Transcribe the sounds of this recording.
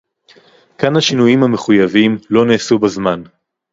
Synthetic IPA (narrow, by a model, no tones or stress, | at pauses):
kanhaʃinujimhame̞χujavimlo̞neːsubazman